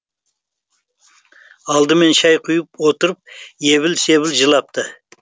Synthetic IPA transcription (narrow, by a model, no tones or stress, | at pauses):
ɑlˠd̪əme̞nʃɑjqʰʊjəp̚wot̪əɾəp̚je̞βɪlse̞βɪlʒəlˠɑp̚t̪ə